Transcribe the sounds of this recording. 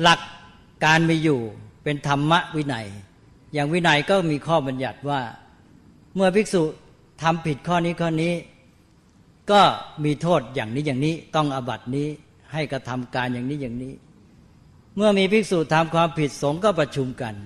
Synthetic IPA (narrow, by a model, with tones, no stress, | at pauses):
la˨˩kː | aː˧nmiː˧juː˨˩pe˧nt̪ʰa˧mːa˦˥ʔwi˦˥na˧˩j | jaː˨˩ŋwi˦˥na˧jkɔː˥˩miː˧kʰɔː˥˩ba˧nja˨˩t̪̚waː˥˩ | mɯ˥˩ɐpi˦˥k̚suː˨˩ | t̪ʰa˧mpʰi˨˩t̪̚kʰɔː˥˩niː˦˥kʰɔː˥˩niː˦˥ | kɔː˥˩miː˧t̪ʰoː˥˩t̪̚jaː˨˩ŋniː˦˥jaː˨˩ŋniː˦˥t̪ɔ˥˩ŋʔa˧ba˨˩t̪̚niː˦˥ | ha˥˩jkɾa˧t̪ʰa˧mkaː˧njaː˨˩ŋniː˦˥jaː˨˩ŋniː˦˥ | mɯ˥˩ɐmiː˧pʰi˦˥˩k̚suː˨˩t̪ʰa˧mkʰwaː˧mpʰi˨˩t̪̚so˩˦ŋkɔː˥˩pɾa˧t͡ɕʰu˧mka˧n